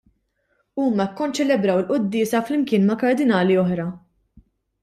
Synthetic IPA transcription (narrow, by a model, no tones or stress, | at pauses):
uːmɐkːɔnt͡ʃɛlɛbɾɐwɪlʔʊd̪ːɪːsɐflɪmkɪːnmɐkɐɾd̪ɪnɐːliɔħɾɐ